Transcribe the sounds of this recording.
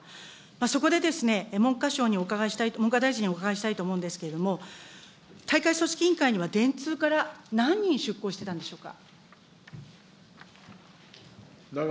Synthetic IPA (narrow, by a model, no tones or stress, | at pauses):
maso̞ko̞d̪e̞d̪e̞sɨne̞mõ̞ŋkaɕo̞ːɲ̟io̞kaɡaeɕi̥t̪aimoŋkad̪aiʑiɲ̟iokaɡaeɕi̥t̪ait̪oːmo̞ɯ̟̃nd̪e̞sɨ̥ke̞ɾe̞d̪o̞mo̞ | t̪aikaiso̞ɕi̥kʲĩŋkaiɲ̟iβad̪ẽ̞nt͡sɨːkaɾanãɲ̟ːĩɰ̃ɕɨkːo̞ːɕi̥t̪e̞t̪ãnd̪eɕo̞ːka̰